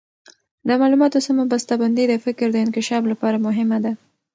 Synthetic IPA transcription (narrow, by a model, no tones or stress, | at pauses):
d̪əmɑlumɑt̪osamobast̪aband̪id̪əfɪkɾd̪əɪnkɪʃɑflapɑɾamʊɦɪmad̪a